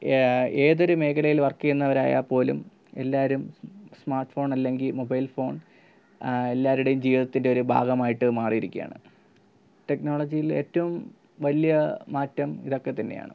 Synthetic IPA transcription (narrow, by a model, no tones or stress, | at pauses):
e̞ːðo̞ɾume̞ːkʰɐlɐjilʋɐrkːijenːɐʋɐɾaːja̰ːpo̞ːlṵm | e̞lːaːɐɾumsmaːrʈfo̞ːɳɐlːe̞ŋɡilmobɐjlfo̞ːɳ | e̞lːaːɾuɽejumd͡ʑiːʋiðɐt̪ːinde̞o̞ɾubʱa̰ːɡɐmaːjiʈːɨmaːrijiɾikʲːija̰ːɳɨ̰ | te̞kno̞ːɭɐd͡ʑijile̞̰ːtːɐʋum | ʋɐlijɐmaːtːɐmiðo̞kːe̞t̪ɐnːe̞̰ja̰ːɳɨ̰